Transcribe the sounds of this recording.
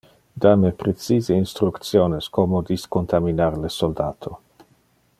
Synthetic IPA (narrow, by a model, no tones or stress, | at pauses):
d̪amepɾesiːzeinst̪ɾukt̪sjoːneskomod̪iskont̪aminarlesold̪aːt̪ʰo